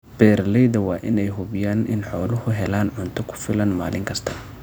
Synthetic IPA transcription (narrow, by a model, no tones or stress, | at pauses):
b̥ɛːɾlɛjðɐwɑːʔɪnɛjɦʊβɪjaːnʔɪ̰nħɔːlʊhʊɦɛlaːnʕʊnt̪ʰɔkʰʊ̥fɪlɐnma̰ːlɪŋkʰɐst̪ʰɐ̥